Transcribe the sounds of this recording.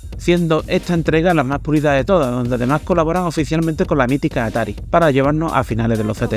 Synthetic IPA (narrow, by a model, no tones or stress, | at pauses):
sje̞nd̪o̞ʔe̞t̪aent̪ɾe̞ɣ̞alamapuɾiðaðe̞t̪o̞ðaðo̞nd̪eaðe̞mahko̞laβo̞ɾaŋo̞fiθjalmẽnt̪e̞ko̞nlamit̪ikaːt̪aɾipaɾaʝe̞β̞aɾnoʔa̰finaleðelo̞θet̪e